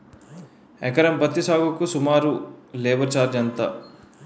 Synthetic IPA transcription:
ekɐɾɐmbɐt̪ːisaːɡukusumaːɾuleːʋɐɾt͡ʃaːɾd͡ʒɐnt̪ɐ̰

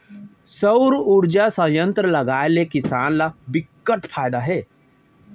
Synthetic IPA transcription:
səʊɾuɽd͡ʒasə̃jə̃nt̪ɾəlɐɡaːelekɪsaːnlabɪkːəʈpʰaːɪd̪aɦɛː

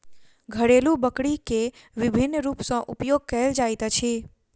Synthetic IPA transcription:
ɡʱəɽelũbəkɽike | ʋɪbʱinːɾupsɔ̃ʔupjoɡ̚kəɦeld͡ʒajt̪ət͡ʃʰe

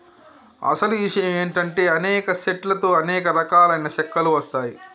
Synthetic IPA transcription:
ɐ̰sɐluiʂɐjɐme̞ːɳʈɐɳʈe̞ːɐnɛːkɐseʈlɐt̪o̞ːɐnɛːkɐɾɐkaːlɐjnɐʃɐkːɐluʋɐst̪aːji

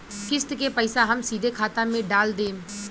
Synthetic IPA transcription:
kɪst̪kepəɪsaɦɐmsiːd̪ʱekʰaːt̪ãmẽɖaːld̪ẽː

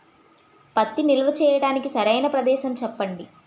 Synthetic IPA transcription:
pɐt̪ːinilɐʋɐt͡ʃɛːjɐɽaːnikisɐɾɐjnɐpɾɐd̪ɛːʃɐmt͡ʃɛpːɐɳɖi

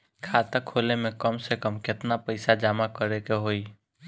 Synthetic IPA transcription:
kʰat̪əkʰːolemẽkəmsekəmkɪt̪napəɪsad͡ʒaːmakəɾekeɦoːi

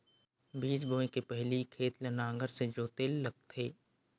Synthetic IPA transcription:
biːd͡ʒboːẽkepɛɦlikʰeːt̪lɐnãːŋɡəɾsed͡ʒoːt̪eːlːɐɡ̚t̪ʰeː

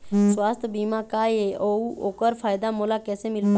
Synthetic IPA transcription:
swaːst̪ʰbiːmaːkaːeːʔoːoːkəɾpʰaːjd̪amoːlakɛːsemɪlp

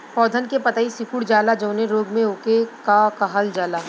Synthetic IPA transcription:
pɔːd̪ʱənkepɐt̪aisɪkuɽd͡ʒaːlad͡ʒɐ̃ːnẽɾoːɡmẽoːkekakaɦald͡ʒaːlaː

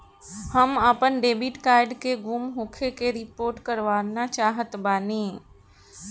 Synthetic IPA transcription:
həməpənɖeːbiʈkaːɾɖkeɡumɦõkʰekeɾɪpoːɾʈkəɾʋaːnat͡ʃaːɦət̪baːne

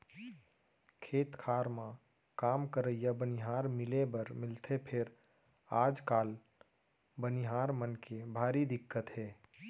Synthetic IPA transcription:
kʰeːt̪kʰaːɾmã | kaːmkəɾəjjabənɪɦaːɾmɪlebəɾmɪlt̪ʰepʰɪɾ | aːd͡ʒkaːl | bəniɦaːɾmənkebʱaːɾid̪ɪkːət̪ɦɛː

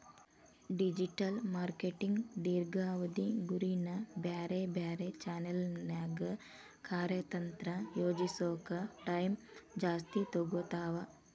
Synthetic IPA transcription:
ɖid͡ʒiʈɐlmaːɾkeʈiŋɡd̪iːɾɡaːʋɐd̪iɡuɾinɐbjaːɾebjaːɾet͡ʃaːnɐlnaːɡɐ | kaːɾjɐt̪ɐnt̪ɾɐjoːd͡ʒisoːkɐʈɐjmd͡ʒaːst̪it̪oɡut̪aːʋɐ

